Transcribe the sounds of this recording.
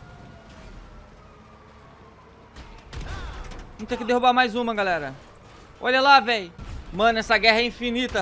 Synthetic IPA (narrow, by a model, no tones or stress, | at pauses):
ɐ̃m̃t̪ẽkɪd̪ehubaɾmajzũmɐɡalɛɾɐ | ɔ̰ʎɐlavejmɐ̃nɛsɐɡɛɦɐĩfinit̪ɐ